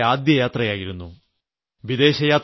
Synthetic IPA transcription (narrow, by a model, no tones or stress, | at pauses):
aːd̪jɐjaːt̪rɐjaːjiɾunːu | ʋid̪e̞ːɕɐjaːt̪